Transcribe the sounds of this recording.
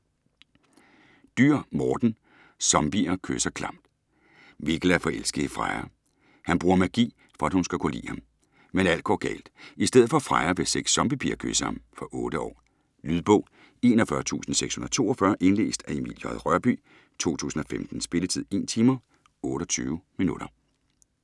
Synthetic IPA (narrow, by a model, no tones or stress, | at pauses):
d̥yɐ̰mɒːd̥n̩ | sɒ̽mb̥iːɐkʰøsɐkʰlɑ̈m̰d̥ | ʋe̝ɡ̥læɐfɒ̽elsɡ̥əðifʁɑ̈ɪɐ̰ | hænb̥ʁuːɐmæɡ̥ḭː | fɒ̽æd̥hunsɡ̥ækʰolḭːhɑ̈m | menæl̰d̥̚ɡ̥ɒ̰ːɡ̥ɛ̰ːld̥isd̥eð̩ˠfɒ̽æfʁɑ̈ɪɐʋe̝seɡ̥sːɒ̽mb̥ipʰḭɐkʰø̰sɐmfɒ̽ʔɔ̽ːɾəɒ̰ː | lyðˠb̥ɔ̽ʊ̰ | e̝ːnɒfɶɐt͡sʰṵːsn̩seɡ̥shunɐðˠt͡sʰo̝̰ːɐfɶɐʔe̝nle̝̰ːsd̥æe̝mḭljɒðˠʁɶɐb̥y̰ː | t͡sʰo̝̰ːt͡sʰṵːsn̩ɒ̽femd̥n̩sb̥e̝lət͡sʰið̰ˠe̝̰ːnt͡sʰiːmɐ | ɔ̽ːɾ̥əɒ̽t͡sʰy̰ːʊminuɾ̥ɐ